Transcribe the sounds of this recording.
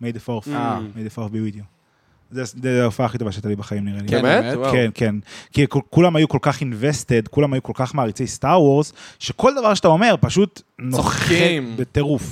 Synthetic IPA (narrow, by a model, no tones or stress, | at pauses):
mejd̪efoʁfamejd̪efoʁfbewid̪io | zeseufaːχitovaʃeat̪alibeχaimniʁelimewkenkenkikkulamajukolkaχinveste̞dkulamajuko̞lkaχmaːʁit͡sejst̪aʁwoʁzʃeko̞ld̪avaʁʃeat̪aome̞ʁpaʃut̪nooibet̪eʁuf